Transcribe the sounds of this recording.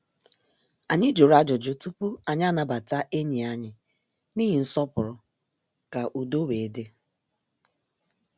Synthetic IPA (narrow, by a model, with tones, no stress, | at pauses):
a˨ɲɪ˦d͡ʒo˨ɾa˦d͡ʒɔ˨d͡ʒʊ˨tu˦pu˦a˨ɲ˦a˦na˦˨ba˨ta˦ʔe˦ɲi˨a˦ɲɪ˨ | ni˦ɦɪ˨n̩˦sɔ˦pʊ˨ɾʊ˨ | ka˨ʔu˨do˦we˨e˨˦de˦